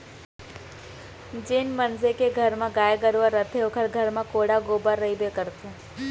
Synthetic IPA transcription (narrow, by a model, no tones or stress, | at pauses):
d͡ʒɪnmənzekeɡʱɐɾmãɡaːjeɡəɾuaɾət̪ʰeɦokʰɐɾɡʱəɾmãkoːɽaɡoːbaɾːɐibekəɾt̪ẽ